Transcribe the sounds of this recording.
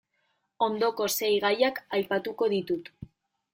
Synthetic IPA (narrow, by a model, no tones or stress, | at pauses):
o̞nd̪o̞ko̞se̞jɣajakajpat̪uko̞ðit̪ut̪